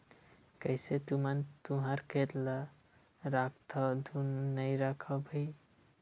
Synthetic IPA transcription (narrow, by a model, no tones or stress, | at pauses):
kəjset̪umənt̪uɦaɾket̪la | ɾak̚ʰt̪ʰɔd̪ʱunnəjɾakʰəbʱəj